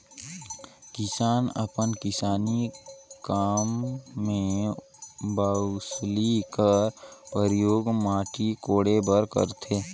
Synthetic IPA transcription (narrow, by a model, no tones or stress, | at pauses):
kɪsaːnə̰pənkɪsaːnikaːmːẽ | baːʊslikəɾpəɾjoːɡmaːʈikoːɽebəɾkə̰ɾt̪ʰeː